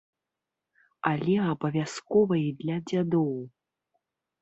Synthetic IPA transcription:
alʲɛɐbɐvʲaskɔvɐjid̪lʲɐd͡zʲad̪ɔw

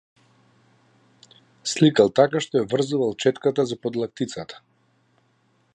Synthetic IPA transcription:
slikalˠt̪akaʃt̪ɔjavr̩zuvalˠt͡ʃɛt̪kat̪azapɔd̪lˠak̚t̪it̪sat̪ʰḁ

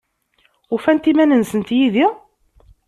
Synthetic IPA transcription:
ʊfænt̪imænənsənt̪jiði

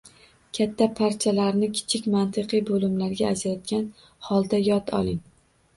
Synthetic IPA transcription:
kʲʰat̪ʰːapʰaɾt͡ʃʰalaɾnɪkʲʰɪ̥t͡ʃʰɪkʲmant̪ʰɨqɨjbolɪmlaɾɡʲaːzajɒt̪̚kʲan | hɒlˠd̪ajɒt̪ʰɒ̰lˠɪŋ

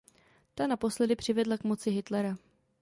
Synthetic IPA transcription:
t̪anapo̞slɛdɪpr̝̥ɪvɛdlakmo̞t͡sɪɦɪt̪lɛɾa

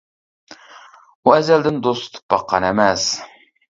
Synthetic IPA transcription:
uɛzɛld̪ɪnd̪ost̪t̪ʰɨ̥bɑqːɑ̰nɛmɛs

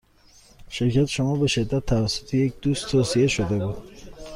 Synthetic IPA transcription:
ʃeɾcʰæt̪ʰʃomɒːbeʃed̪ːæt̪ʰːævæsːot̪ʰejec̚d̪uːst̪ʰːoːsijeʃod̪ebuːd̪̥

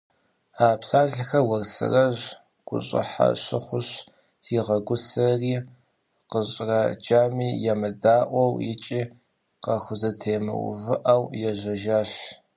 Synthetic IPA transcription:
aːpsaːɮxɐwɐrsɨ̰rɐʑ | ɡ̥ʷʊ̰ɕʼɪ̰ħa̰ɕɪχʷʊɕ | tʰiːʁɐɡʷʊsɐriː | qəɕʼrɐd͡ʒaːmiːjɛmɐdaːʔʷɔwjɪt͡ʃʼiː | qɐxʷʊzɐtʰeːmɨ̰w̰vɨʔɐwjɛʒɐʒaːɬ

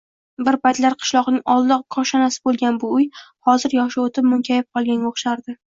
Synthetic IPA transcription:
bɪɾpajt̪laɾqʰɨ̥ʃlˠɒʁnɪŋɒlˠd̪ɒqkʰɒʃɒnasɪ̥bolˠɡʲanbʊʊjhɒzɪɾjɒʃɪot̪ʰɪp̚mʊŋkʲʰajɪp̚qʰɒlˠɡʲanʲoχʃaɾd̪ɪ

